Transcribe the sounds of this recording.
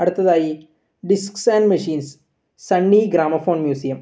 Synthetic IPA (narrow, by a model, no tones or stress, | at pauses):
ɐɽut̪ːɐðaːji | ɖisksaːnɖmɐʂiːns | sɐɳːiɡɾaːmɐfo̞ːɳmjuːsijɐm